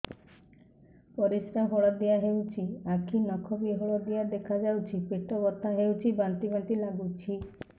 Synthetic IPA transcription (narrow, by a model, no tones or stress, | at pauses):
pɔɾiskaɦoɭad̪ijaɦewt͡ʃʰiakʰinɔkʰɔbiɦoɭɔd̪ijad̪ekʰad͡ʒawt͡ʃʰipeʈɔbɔt̪ʰaɦewt͡ʃʰibant̪iɡɔnt̪ilaɡut͡ʃʰi